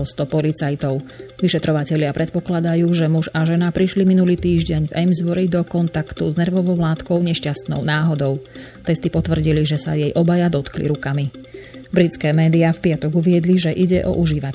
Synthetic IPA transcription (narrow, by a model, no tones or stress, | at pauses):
lst̪ɔpɔlit͡sajt̪ɔʊʋiʃɛt̪ɾɔʋacɛʎɪapɾʔɛt̪̚pɔklad̪ajuːʒɛmuʒaʒɛnapɾiʃliminuliːt̪iːʒɟɛɲvɛmzʋɔɾid̪ɔkɔnt̪akt̪uznɛɾʋɔʋɔʊlaːt̪kɔʊɲɛʃcast̪nɔ̰ʊnaːɦɔd̪ɔʊ | t̪ɛst̪ipɔt̪ʋr̩ɟiliʒɛsa̰jɛjʔɔbajad̪ɔt̪klḭɾukami | bɾit͡skɛːmɛːd̪iafpɪat̪ɔɡuʋɪɛd̪liʒɛʔiɟɛʔɔ̰ʔuʒiːʋa